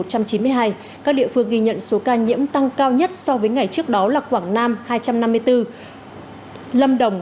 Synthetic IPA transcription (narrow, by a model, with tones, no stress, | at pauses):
o˨˩t̚t͡ɕa˧mt͡ɕi˨˦nmɨ˧əjɦaː˧j | kaː˦˥k̚ɗḭ˧˨fɨ˧əŋɣi˧ɲə̰˧˨nso˨˦kaː˧ɲḭ˧˥əmt̪a˧ŋkaː˧wɲə˦˥t̚sɔ˧vəː˨˦jŋa˨˩jt͡ɕɨ˦˥ək̚ɗɔ˨˦laː˨˩kwaː˧˩ŋnaː˧mhaː˧jt͡ɕa˧mna˧mːɨ˧əjt̪ɨ˧ | lə˧mɗə˧˩wŋ͡m